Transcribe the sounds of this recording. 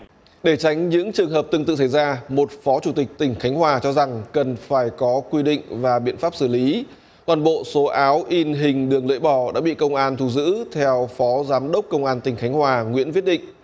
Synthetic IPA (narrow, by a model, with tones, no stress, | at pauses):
ɗe˧˩t͡ɕa˨˦jŋ̟ɲɨ̰˧˥ŋt͡ɕɨ˨˩əŋɦəː˨˩p̚t̪ɨ˧t̪ɨ̰˧˨sa˧˩jzaː˧mo˨˩t̚fɔ˨˦t͡ɕu˧˩t̪ï˨˩k̟̚t̪ï˧˩ŋ̟xa˨˦ŋ̟ɦwaː˨˩t͡ɕɔ˧za˨˩ŋkə˨˩nfaː˧˩jkɔ˨˦kwi˧ɗḭ̈˧˨ŋ̟vaː˨˩ɓḭ˧˨nfaː˦˥p̚sɨ˧˩li˨˦ | kɔ˨˩nɓo̰˧˨so˨˦ʔaː˨˦wʔi˧nɦï˨˩ŋ̟ɗɨ˨˩əŋlə̰˧˨jɓɔ˧˩ɗa̰ː˧˥ɓḭ˧˨kə˧wŋ͡mʔaː˧nt̪ʰu˧˩zɨ̰˧˥t̪ʰɛ˧wfɔ˨˦zaː˨˦mɗə˦˥wk͡p̚kə˧wŋ͡mʔaː˧nt̪ï˨˩ŋ̟xa˨˦jŋ̟hwaː˨˩ŋwḭ˧˥ənvi˦˥ət̚ɗḭ˧˨ŋʔ